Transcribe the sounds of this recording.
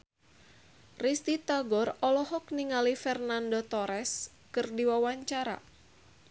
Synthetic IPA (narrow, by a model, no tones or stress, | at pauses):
rist̪it̪aɡɔrɔlɔɦɔk̚niŋalifɛrnandɔt̪ɔɾɛs | kɨrdiwawaɲt͡ʃaɾa̰